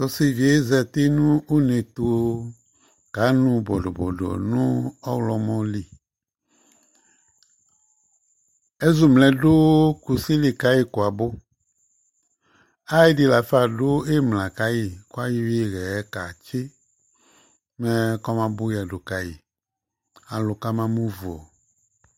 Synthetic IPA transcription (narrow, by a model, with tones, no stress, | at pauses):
tɔ˨se˨vi˨e˦zɛ˨t̪e˦nũ˦u˦ne˨t̪o˨ | ɡ̥a˨˦nũ˦bɔ˨dɔ˨bɔ̰˨dɔ̰˨nũ˦ɔ˦wlɔ˨mɔ̃˦li˨ | e˦zu˦mlɛ˨do˦ku˨si˦li˨ka˦ji˦ko˨a˨bo˦ | a˦e˦di˨la˨fa˦˨dʊ˦e˦mlã˨ka˨˦ji˨kʊ˦a˦ji˦we˦˨ɣɛ˨˦ka˨t͡ʃe˦ | mɛ˦kɔ˦mã˨bʊ˦ja˨do˨ka˨ji˨ | a˨lʊ˨ka˦mã˦mũ˦vu˨ɔ˨